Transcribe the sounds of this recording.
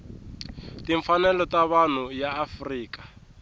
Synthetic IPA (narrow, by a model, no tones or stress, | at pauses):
tiɱfanɛlɔtaβan̤ujaːfriːkḁ